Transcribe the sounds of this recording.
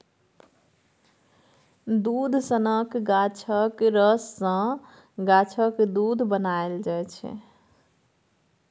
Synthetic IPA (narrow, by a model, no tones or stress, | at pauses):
d̪ud̪ʱsənəkɡat͡ʃʰəkɾəsːə̃ | ɡat͡ʃʰəkd̪ud̪ʱbənaeld͡ʒajt͡ʃʰɛ̰